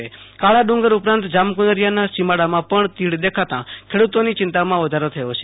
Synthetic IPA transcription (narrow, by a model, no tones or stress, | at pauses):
ekaɭaɖũŋɡəɾupɾãnt̪d͡ʒamkunəɾjanasimaɽamãpəɳt̪iɽd̪ekʰat̪ã̰kʰeɽut̪onit͡ʃɪnt̪amãʋəd̪ʱaɾot̪ʰəjot͡ʃʰe